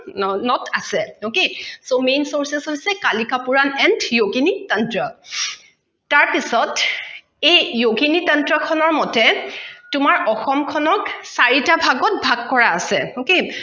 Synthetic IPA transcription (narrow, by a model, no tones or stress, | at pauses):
ɔnɔtʰasɛokesomensoɹsɛsɦojsɛkalikapuɹanɛndjoɡinitɔntɹɔ | taɹpisɔt | ejjoɡinitɔntɹɔkʰɔnɔɹmɔtɛtʊmaɹʔɔxɔmkʰɔnɔksaɹitabʱaɡɔt̚bʱaɡ̚kːɔɹaːsɛoke